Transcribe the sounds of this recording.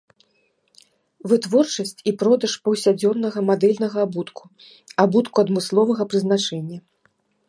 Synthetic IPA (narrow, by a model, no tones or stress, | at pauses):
vɨt̪vɔrt͡ʂɐsʲt͡sʲipɾɔd̪ɐʂpɐwsʲad͡zʲɔnːɐɣɐmad̪ɛlʲnɐɣɐbut̪ku | abut̪kuɐd̪mɨslˠɔvɐɣɐpɾɨzn̪at͡ʂɛnʲːɐ